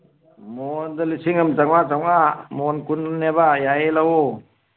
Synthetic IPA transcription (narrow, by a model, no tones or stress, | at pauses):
mɔnd̪alisiŋɯmd͡ʒaŋat͡ʃaŋamɔnkunnːebajaelawɔ